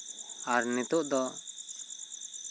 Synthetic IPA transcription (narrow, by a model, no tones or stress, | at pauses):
aɾnit̪uʔd̪ɔ